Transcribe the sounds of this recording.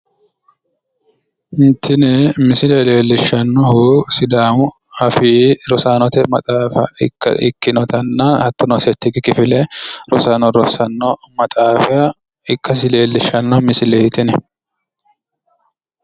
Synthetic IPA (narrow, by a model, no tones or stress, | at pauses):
ɪnt̪ʰːɪnɛmɪsɪlɛle̞ːlːɪʃːɐnːɔɦusɪd̪aːmʊɐfiːɾɔsaːnɔt̪ɛmɐt̪ʼaːfɐ̰ɪkːɐ̰ʔɪ̰kːɪnɔt̪ɐnːɐhɐt̪ːɔnɔsɛt̪ːɪɡɪkɪfɪlɛɾɔsaːnɔɾɔsɐnːɔmɐt̪ʼaːfɪjɐ | ɪkːɐs̬ɪle̞ːlːɪʃːɐnːɔmɪsɪlɛɪt̪ɪnɛ